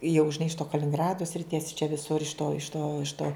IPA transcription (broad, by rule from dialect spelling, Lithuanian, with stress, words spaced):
jɛʊ ʒʲɪˈnɐɪ ɪʃ toː kɐlʲɪnʲɪŋˈɡrɑːdoː sʲrʲɪˈtʲiɛs t͡ʃʲɛ ʋʲɪˈsʊr ɪʃ toː ɪʃ toː ɪʃ toː